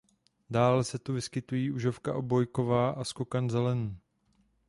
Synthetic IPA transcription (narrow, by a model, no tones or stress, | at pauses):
daːlɛsɛt̪uvɪskɪt̪ujiːʔuʒo̞fkaʔobo̞jko̞vaːʔaskokanzɛlɛnu